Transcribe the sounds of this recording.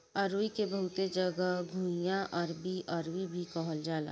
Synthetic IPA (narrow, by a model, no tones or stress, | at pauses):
ɐɾʋikebɐɦʊt̪ed͡ʒɐɡəɡʱuːjãʔɐɾbiʔɐɾwibʱikɔɦəld͡ʒaːla̰ː